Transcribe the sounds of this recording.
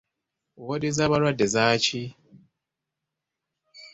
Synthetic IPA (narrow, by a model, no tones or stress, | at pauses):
wodizaβaɾwadːezaci